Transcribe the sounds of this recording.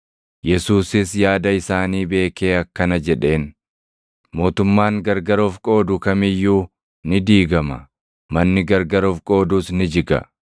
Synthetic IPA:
jɛsuːsɪsjaːd̪ɐɪsaːniːbe̞ːke̞ːɐkːɐnɐd͡ʒɛᶑe̞ːn | mo̞ːt̪ʊmːaːŋɡɐɾɡɐɾoːfkʼo̞ːd̪ʊkɐmɪjːuː | nɪd̪iːɡɐmɐ̰ | mɐnːɪɡɐɾɡɐɾoːfkʼo̞ːd̪uːsnɪd͡ʒɪɡɐ̰

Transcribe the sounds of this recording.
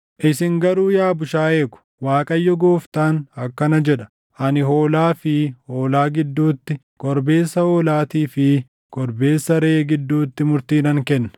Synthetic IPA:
ʔɪsɪŋɡɐɾuːjaːbʊʃaːe̞ːkʊ̥waːkʼɐjːɔɡoːft̪aːnɐkːɐnɐd͡ʒɛᶑɐ̥ | ʔɐnɪɦo̞ːlaːfɪho̞ːlaːɡɪd̪ːuːt̪ːɪ | kʼɔɾbeːsːɐhoːlaːt̪iːfɪ | kʼɔɾbe̞ːsːɐɾeːɡɪd̪ːuːt̪ːɪmʊɾt̪iːnɐŋkɛnːɐ̥

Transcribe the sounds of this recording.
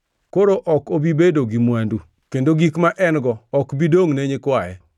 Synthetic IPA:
koɾoʔɔkobibedoɡimwandu | kendoɡikmaʔɛnɡɔɔkbidoŋneɲɪkwajɛ̰

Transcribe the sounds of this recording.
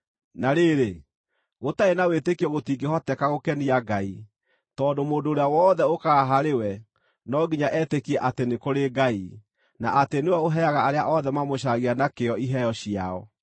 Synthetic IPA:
naɾeɾe | ɣotaenawetekiɔɣotiːɡeɦɔtɛkaɣokɛniaɡai | tɔːndomoːdoːɾeawɔːðɛokaaɦaɾewɛ | nɔɡiɲaʔɛtekiɛʔatenekoɾeɡai | na̰ʔatenewɛoɦɛaɣaaɾeaʔɔðɛmamoɕaɣianakeɔiɦɛjɔɕiaɔ̰

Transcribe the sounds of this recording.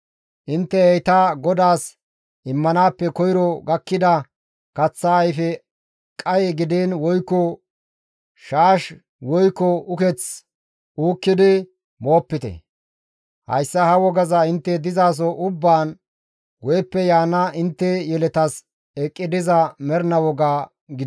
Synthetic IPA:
ʔɪnt̪ːɛɛjt̪aɡɔd̪aːs | ʔɪmːɐnaːpːɛkɔjɾɔɡɐkːɪd̪ɐ | kɐt͡sːaːjfɛ | kʼɐjɛɡɪd̪eːnwɔjkːɔ | ʃaːʃ | wɔjkːɔʔʊkɛt͡s | uːkːɪd̪ɪ | mo̞ːpːɪt̪ɛ̰ | hɐ̰jsːɐhɐwɔɡɐzɐɪnt̪ːɛd̪ɪzaːs̬ɔʔʊbːaːn | wɔjpːɛjaːnːɐʔɪnt̪ːɛjɛlɛt̪ɐs | ɛkʼːɪd̪ɪzɐmɛɾnɐwɔɡaː | ɡɪ

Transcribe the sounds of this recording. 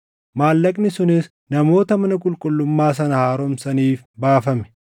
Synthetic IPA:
maːlːɐkʼnɪsʊnɪs | nɐmo̞ːt̪ɐmɐnɐkʼʊlkʼʊlːʊmːaːs̬ɐnɐhaːɾɔmsɐniːf | baːfɐmɛ̥

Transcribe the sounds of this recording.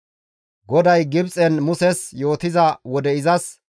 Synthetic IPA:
ɡɔd̪ɐjɡɪbt͡sʼɛnmʊsɛsjo̞ːt̪ɪzɐwɔd̪ɛɪzɐs

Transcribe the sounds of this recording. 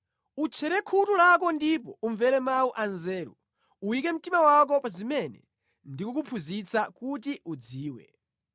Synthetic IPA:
ut͡ʃʰɛɾɛkʰutulak̬ɔndipɔuɱvɛɾɛmawuʔanzɛːɾṵ | uwikɛm̩timawak̬ɔpazimɛnɛ̰ | ndikɔk̬upʰuzit͡sakut̬iud͡ziːwɛ̰

